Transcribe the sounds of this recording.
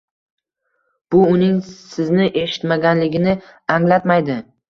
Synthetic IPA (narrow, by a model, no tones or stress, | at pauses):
b̥ʊʊnɪŋsɪznɪʔe̞ʃɪ̥t̪maɡʲanlɪɡʲɪnɪaŋlat̪majd̪ɪ